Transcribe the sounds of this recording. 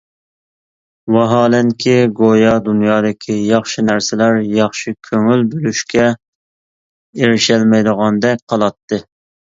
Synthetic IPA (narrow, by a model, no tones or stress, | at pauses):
wɑɦɑːlɛŋkʲʰiɡojɑd̪unjɑːd̪ɨkʲʰijɑχʃinæɾsɪlæɾjɑχʃikʲʰøŋylbølyʃkʲɛ | eɾɪʃɛlmɛjd̪əʁɑnd̪ɛk̚ʲqʰɑlˠɑt̪ːɨ